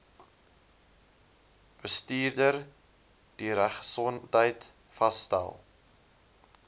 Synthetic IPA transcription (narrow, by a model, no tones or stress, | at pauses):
b̥əstiːrdər | d̥iɾæχsɔntəjt | fɐstæ̰lˠ